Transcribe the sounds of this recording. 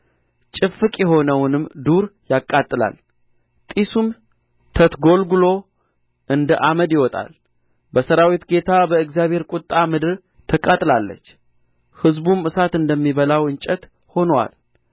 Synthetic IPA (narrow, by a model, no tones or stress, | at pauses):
t͡ʃʼɪfɨkʼjɛɦo̞nəwnɨmd̪uɾjakʼːat̪ʼːɨla̰l | t̪ʼisum | t̪ʰət̪ɡo̞lɡulo̞ | ʔɨnd̪əʔaməd̪jɪwɔt̪ʼa̰l | bəsəɾawit̪ɡe̞t̪ʰabəɨɡzjaβhe̞ɾkʷʼʊt̪ʼːamɨd̪ɨɾ | t̪ʰəkʼat̪ʼlalːə̰t͡ʃː | hɨzbumɨsat̪ɨnd̪əmːiβəlawɨɲt͡ʃʼət̪ | ho̞nwa̰l